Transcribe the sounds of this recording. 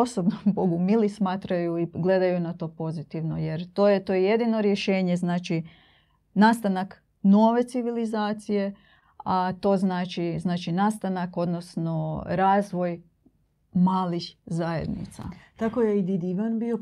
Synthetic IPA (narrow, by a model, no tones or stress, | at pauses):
osobnomboɡumilismaːt̪ɾajuiɡle̞d̪ajunat̪o̞ːpo̞zit̪iʋno̞je̞ɾt̪oːjet̪oːjejed̪ino̞ɾjeʃe̞ːɲe̞znaːt͡ʃi | naːst̪anak | no̞ːʋe̞t̪siʋilizaːt̪sije̞ | at̪o̞ːznaːt͡ʃiznaːt͡ʃinast̪anako̞d̪nosno̞ɾaːzʋo̞j | maːlixzajḛd̪nḭt̪sa̰t̪akojeid̪id̪iʋanbio